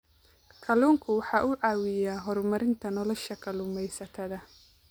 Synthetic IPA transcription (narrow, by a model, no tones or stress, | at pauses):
kʰɐluːŋkʰʊwɑħɑːʔuːʕɑːwɪjaːɦɔrmɐɾɪnt̪ʰɐnɔlɔʃɐkʰɐluːmɛjsɐt̪ʰɐðɐ